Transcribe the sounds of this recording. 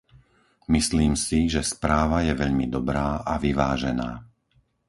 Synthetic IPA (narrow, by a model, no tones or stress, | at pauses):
misliːmsiʒɛspɾaːʋajɛʋɛʎmid̪ɔbɾaːʔaʋiʋaːʒɛna̰ː